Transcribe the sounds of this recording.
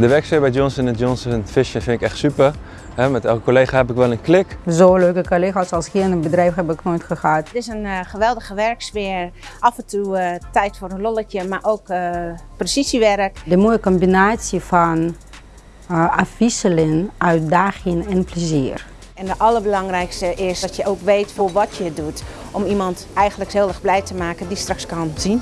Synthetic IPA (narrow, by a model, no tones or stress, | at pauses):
dəʋɛɹksfɪːɹbɛjjɔnsənɛnjɔnsənfɪʃənfɪnɪkɛχtsypər | hɛmɛtɛlˠkəkoleːχaɦɛpɪkʋɛlˠənklɪkzoːløɥkəkolexasɑlˠskinəbədrɛjfɦɛbɪknoːjtχəxaːttɪsənχəʋɛlˠdəχəʋɛɹksʋɪːɹʔɑfɛntutɛjtfoːɾənlɔləkjəmaɹʔowkprəsisiʋɛɾəkdəmojəkɔmbinaːsjəfɔn | atfisəlɪnʔœɥt̚daːxɪŋɛnpləziːr | ɛndəʔɑləɹbəlɑŋrɛjkstəʔɪsdɔtjəʔowkʋejtfʊːɹʋɔtjədut | ʔɔmimɑnt | ɛjɣəndləkhɪːlˠɛxblɛjtəmaːkəndistrɑkskɑnzin